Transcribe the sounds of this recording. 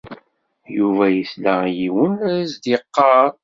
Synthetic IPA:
juvæjislæjiwənɾæzd̪iqːɑɾ

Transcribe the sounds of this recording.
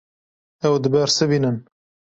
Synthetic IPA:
ɛwd̪ɨbɛɾsɨbiːnɨn

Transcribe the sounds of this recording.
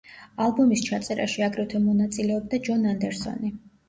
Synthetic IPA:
alˠbɔmist͡ʃʰat̪sʼɛɾa̰ʃiaɡɾɛt̪ʰwɛmɔnat̪sʼilɛɔb̚d̪ad͡ʒɔnand̪ɛɾsɔ̰ni

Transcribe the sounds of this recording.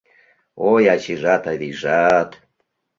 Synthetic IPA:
ojat͡ɕiʒat̪aβiʒat̪

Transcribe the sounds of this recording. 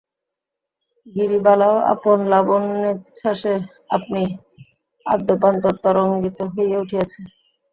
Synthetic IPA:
ɡiɾibalaoa̰ponlabonːet͡ɕʰaʃe | ap̚ni | a̰d̪ːopant̪oɾt̪ɔɾoŋɡit̪oɦojeuʈʰiat͡ɕʰe

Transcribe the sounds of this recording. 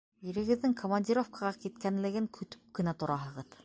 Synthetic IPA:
jĭɾɘ̆ɡɘ̆ðːɘŋkʰomɐnʲdʲiɾo̞fkaʁɑkit̪kænlɘ̆ɡɘŋkʰɵ̆t̪ɵ̥p̚kɘ̆næt̪ŏɾɑɦɤ̆ʁɤð

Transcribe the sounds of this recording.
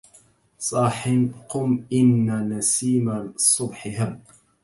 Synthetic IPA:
sˤɑːħɪnqʊmʔɪnːanasiːmasˤʊbħɪɦam

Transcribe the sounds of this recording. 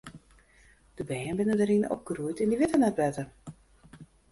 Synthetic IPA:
d̥əbɛːənbɪnədəɾɪno̰p̚ɡ̥ərujtɪndəʋɪtənɛt̚bɛtə

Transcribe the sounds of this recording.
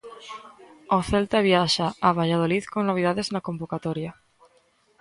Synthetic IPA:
oθelt̪aβjaʃaːβ̞aʎaðoliθkoŋnoβ̞iðaðeznakombokat̪oɾja

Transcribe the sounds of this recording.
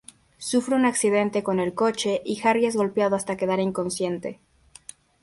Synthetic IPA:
sufɾeunaksiðe̞nt̪ekone̞lko̞t͡ʃe̞ʔixarjezɣo̞lpjaðoast̪ake̞ð̞aɾiŋko̞nsje̞nt̪e̞̰

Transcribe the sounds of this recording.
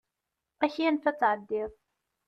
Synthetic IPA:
æçiænθæt͡sːʕəd̪ːɪðˤ

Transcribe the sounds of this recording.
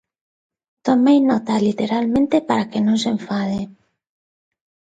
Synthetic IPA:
t̪omejnɔt̪alit̪eɾalmẽnt̪epaɾakenõŋseɱfað̞e

